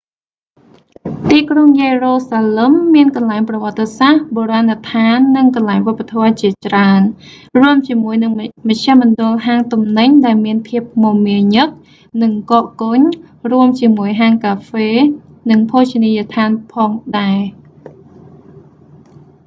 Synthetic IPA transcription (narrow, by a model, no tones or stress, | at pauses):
t̪iːkroŋjeːroːsaːləmːiənkɑnlaɛŋprɑʋŏət̪ːesahɓoːɾaːnat̪ʰaːnːɨŋkɑnlaɛŋʋŏpːat̪ʰɔət͡ɕiət͡ɕraən | ruəmt͡ɕiəmuəjnɨŋməc̚t͡ɕʰaəhmɔnɗʊ̆əlɦaːŋt̪umnɨɲɗaɛlmiənpʰiəp̚momiəɲɨk̚ | nɨŋkoːʔkoɲ | ruəmt͡ɕiəmuəjɦaːŋkaːfeː | nɨŋpʰoːt͡ɕiniːjat̪ʰaːnpʰɑːŋɗaɛ